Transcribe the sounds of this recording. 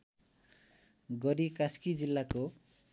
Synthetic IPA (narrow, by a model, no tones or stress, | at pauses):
ɡʌɾikaskid͡zilːako